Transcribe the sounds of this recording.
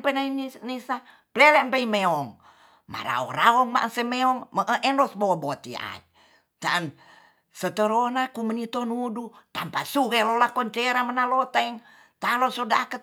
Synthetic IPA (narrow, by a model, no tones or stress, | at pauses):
penainnisa | plɛlɛʔmpeimeɔŋ | ma̰ɾa̰ɔ̰raɔŋma̰ʔsemeɔŋməʔəʔɛnlɔsbobot̪ḭa̰d͡ʒ | t̪an | sət̪əɾonakumənit̪onudut̪ampasuɣelolakɔnt͡ʃeɾamənalot̪aɛŋ | t̪alosodakə